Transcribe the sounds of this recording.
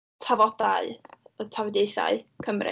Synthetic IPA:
tʰavɔdaɨɔtʰawɛdeɨθa̰ɨkʰəmrɪ̰

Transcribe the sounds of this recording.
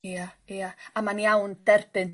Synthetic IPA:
iaeaamaniawnt̪ɛrpɛn

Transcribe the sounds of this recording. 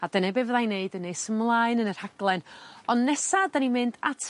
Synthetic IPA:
adənɛbɛvðajneɨdənːeɨsəmlˠaɨnənər̥haɡ̥lˠɛnɔnːɛsadanimɨndatʰ

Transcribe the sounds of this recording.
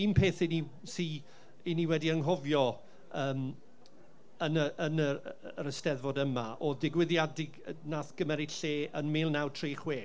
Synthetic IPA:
impʰeːθɪni | si | iniwɛdiəŋɦɔvjɔ | əːm | ənəənəəɾəstɛðvɔdəmaʔɔdɪɡwɪðjadɪɡnaːθɡ̥əmɛɾɪɬeːənmɪːlˠnawtʰriːχweː

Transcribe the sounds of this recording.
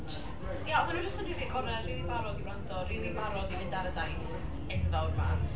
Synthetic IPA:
d͡ʒəst | jaɔðənud͡ʒəstnriːðiəkʰɔɾɛriːðimaɾɔdiblandɔriːðimaɾɔdinɪdaɾədajθ | ɛnvawrma̰n

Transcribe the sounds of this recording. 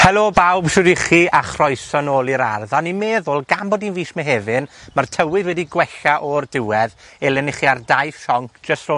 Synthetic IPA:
hɛlˠobawb̥ʃʊdiχiːʔaχrɔjsɔnoːlˠiɾa̰rðanːimeːðʊlˠɡambɔːdinviːsmɛɦɛvɨnmartʰəwɨðwɛdiɡwɛɬaʔɔrdɪwɛð | ɛlˠɛniχiardajfʃɔŋkʰd͡ʒ̥əstro

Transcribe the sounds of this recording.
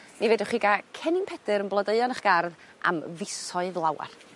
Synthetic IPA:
miveːdɔχiɡakʰɛnɪmpʰɛdɨɾənblˠədəɨɔnəχɡ̥arða̰mvɪsɔɨðlˠawa̰r

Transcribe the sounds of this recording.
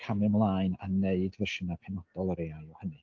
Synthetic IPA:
kʰamɪmlˠaːjnaneɨdvərʃənapʰɛnɔd̥ɔlˠəɾeajɔhənɨ

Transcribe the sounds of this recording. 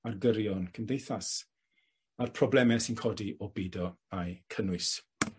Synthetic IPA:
arɡəɾjɔnkʰəmdejθas | arpʰrɔblɛmɛsinkʰɔːdiʔɔbiːdɔajkʰənwɨs

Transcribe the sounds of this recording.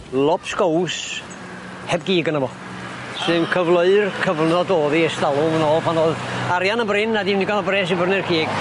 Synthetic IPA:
lˠɔpʰsɡows | hɛbɡiːɡənəvɔ | sɨnkʰəvlˠəɨrkʰəvnɔdoːðiɛstalˠʊmənɔːlˠpʰanoːðaɾjanəmbrɪnadimniɡanɔbrɛːs̬ibərnɪrkʰiːɡ̥

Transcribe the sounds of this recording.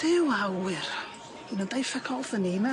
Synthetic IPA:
d̥ɪwawɨr | inəndajfakʰɔlˠθənina

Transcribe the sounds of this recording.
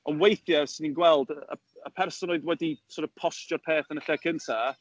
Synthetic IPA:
ɔnwejθjəsɪninɡwɛlˠdəə̰ | əpʰɛrsɔnoɨðwɛdisʰɔrtɔpʰɔstjɔrpʰeːθənəɬɛkʰəntʰa

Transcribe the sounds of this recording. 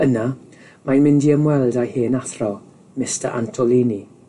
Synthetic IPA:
əna | majnmɪndiəmwɛlˠdajheːnaθrɔ | mɪstəʔa̰ntʰɔlˠiːni

